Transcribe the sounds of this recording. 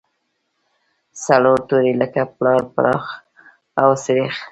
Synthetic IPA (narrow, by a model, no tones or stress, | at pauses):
saɽoʈuɾiləkaplɑɾpa̰ɾʔɑx | awsɪɾex